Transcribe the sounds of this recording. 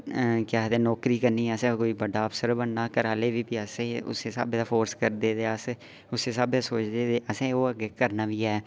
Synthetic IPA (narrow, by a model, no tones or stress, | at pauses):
kjaːɦt̪eːnɔːkɾiːkəɾniːɛəsẽːkoːiːbəɖaːəpsəɾbənːaːkəɾaːleːbiːpiəsẽʊ̰seːsa̰ːbːt̪afʰoːɾskəɾd̪eːd̪eːəse | ʊseːsaːb̪asoːt͡ʃd̪eːd̪eːʔəsẽːoːəɡeːkəɾnaːbiːɦɛː